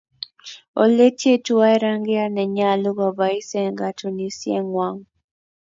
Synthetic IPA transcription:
o˨le˦ti˦e˦tu˦wa˦e˦ɾa˦ŋɡe˦a˦ne˨ɲa˨lu˦βa˨βa˨i˦se˨ŋɡa˨tʰu˨ni˨sje˦ŋwa˦ŋ

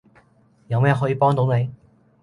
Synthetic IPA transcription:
jɐ˨˧wmɛː˥˨ɦɔː˨˥jiː˨˧pɔː˥ŋt̪o˨˥wne˨˧j

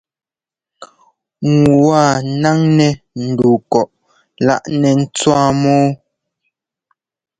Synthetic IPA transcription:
ŋu˨wa˦˨na˦ŋnɛ˨ | n̩˨du˨kɔ˨ʔ | la̰˦ʔnɛ˨n̩˦t͡swa˦mɔː˦

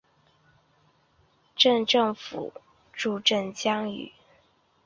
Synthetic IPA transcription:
ʈ͡ʂə˥˧nʈ͡ʂɤ˥˩ŋfṵ˨˩˦ | ʈ͡ʂu˥˧ʈ͡ʂə˥˩nt͡ɕjɑ˥ŋy̰˨˩˦

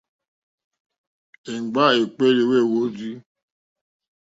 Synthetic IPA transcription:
e˨ɡ͡ba˦˨e˨k͡pe˦ɾe˨˦we˦˨wo˨˦zi˦

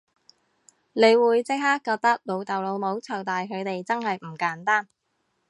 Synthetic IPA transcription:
ne˨˧jwuː˨˧jt͡sɪ˥k̚haː˥kːɔː˧t̪ɐ˥k̚lo˨˧wt̪ɐ˨wlo˨˧wmo˨˥wt͡sʰɐ˨˩wt̪aː˨jkʰɵ˨˧ɥt̪e˨jt͡sɐ˥nhɐ˨jm̩˨˩kaː˨˥nt̪aː˥n

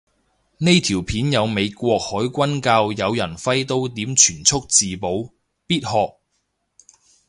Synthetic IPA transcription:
ne˥jt̪ʰiː˨˩wpʰiː˨˥njɐ˨˧wme˨˧jkʷɔː˧k̚hɔː˨˥jkʷɐ˥nkaː˧wjɐ˨˧wjɐ˨˩nfɐ˥jt̪o˥wt̪iː˨˥mt͡ʃʰyː˨˩nt͡sʰʊ˥k̚t͡siː˨po˨˥w | piː˥t̚hɔː˧k̚

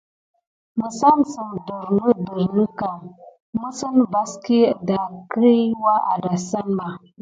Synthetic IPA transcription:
mə˨sa˦nsə˨ndə˨ɾnə˦də˨ɾnə˦ka˨ŋ | mə˦sə˦nba˨ski˦˨da˨kɾi˦wa˦ʔa̰˨da˨sa˦mba˨

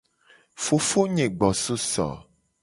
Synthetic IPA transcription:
fo˨fo˦ɲẽ˨ɡ͡bɔ˨so˦sɔ̰˨

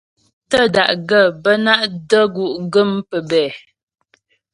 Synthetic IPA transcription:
tə˦da˨ʔɡə˦˨bə˦na˦ʔdə˦ɡu˨ʔɡə˦˨mpə˨bɛ˨

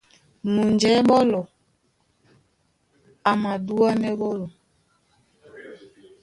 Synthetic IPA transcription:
mu˨ɲd͡ʒɛ˨˦ɓɔ˦lɔ˨ | a˨ma˨du˦a˦nɛ˦ɓɔ˦lɔ˨

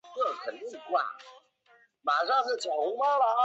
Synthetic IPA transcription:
kɤ˥˩kʰə˨˩nt̪i˥˩ŋ˧kwa̰˥˩ | ma˨˩ʂɑ˥˧ŋʂɻ̩˥˩t͡ɕʰjɑ˨˩u˧˥ma˥la˧

